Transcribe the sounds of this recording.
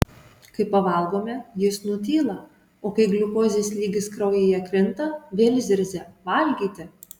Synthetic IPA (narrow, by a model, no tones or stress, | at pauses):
kɐɪpɐʋɐˑlˠɡoːmʲɛjɪsnʊt̪ʲiːlˠɐ | oːkɐɪɡlʲʊkoːzʲeːsʲlʲiːɡʲɪskɾɐʊjeːjɛkɾʲɪnt̪ɐʋʲeːlʲzʲɪɾʲzʲɛʋɐlʲɡʲiːt̪ʲɪ